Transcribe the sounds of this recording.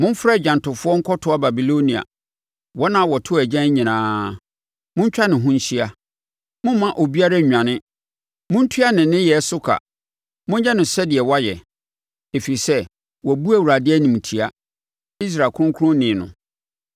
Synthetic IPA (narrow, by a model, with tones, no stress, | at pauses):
mʊ̃˦m˦fɾa˦˨d͡ʑᶣã˨ntʰʊ˨fʊ˦ɔ˦ŋ̩˦kʰɔ˦tʰʊ˨˦a˦ba˨bi˨lo˦nĩ˨a̰˨ | wɔ˦nã˦˨wɔ˨tʰʊ˦˨æ˨d͡ʑɛ̃˦ɲĩ˨nãː˦ | mʊ̃˦ɲ˦t͡ɕᶣa˦nɪ̃˨ɦʊ̃˦ɲ̩˦ɕi˦a˦ | mʊ̃˦m˦mã˦ʔo˨bi˦a˦ɾa˦˨ɲᶣ˨ã˨nɪ̃˦ | mʊ̃˦n̩˦tʰu˦a˦nɪ̃˨nːɪ̃˦jɛ˨˦sʊ˦kʰa̰˨ | mʊ̃˦ɲ˦ɛ˦nʊ̃˨sɛ˦dɪ˨ɛ˨wa˦jɛ˨ | e˨fi˨ɾi˨sɛ˦ | wɔ˨bu˦æ˦˨wu˨ɾa˨dɪ˦ɛ˦nĩ˨m˨tʰi˨a˦ | i˦s̬ɾa˨kʰʊ˦ʊ̃˦kʰʊ˦ʊ̃˦nɪ̃˨nʊ̰̃˨